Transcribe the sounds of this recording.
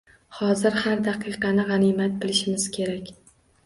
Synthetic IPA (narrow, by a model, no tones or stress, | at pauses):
hɒzɪɾhaɾd̪aqʰɨjqɑnɪʁɑnimat̪̚bɪlɪʃɪmɪz̥kʲʰe̞ɾakʲ